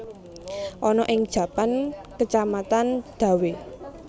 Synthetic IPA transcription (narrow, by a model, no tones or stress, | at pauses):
ʔɔnɔʔɪŋd̥ʒ̥ä̤pankət͡ʃamat̪and̪̥a̤we